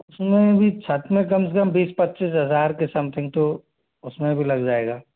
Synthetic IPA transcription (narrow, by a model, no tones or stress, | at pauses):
ʊsmẽbʱit͡ʃʰɐt̪mẽkɐms̬əkəmbiːspɐtːt͡ʃiːs̬ɦɐzaːɾkesɐmt̪ʰɪ̃ŋɡ̚t̪o | ʊsmẽbʱilɐɡd͡ʒaːeːɡaː